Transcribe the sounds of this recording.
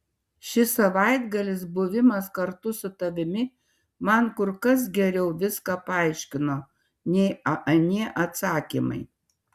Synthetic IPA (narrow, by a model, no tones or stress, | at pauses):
ʃʲɪsɐʋɐɪd̪ɡɐlʲɪsbʊʋʲɪmɐskɐɾt̪ʊsʊt̪ɐʋʲɪmʲɪ | mɐnkʊɾkɐs̬ɡʲɛɾʲɛʊʋʲɪskɑpɑˑɪʃʲkʲɪnoː | nʲɛɪɐʔɐnʲiɛʔɐt̪sɑːkʲimɐ̰ɪ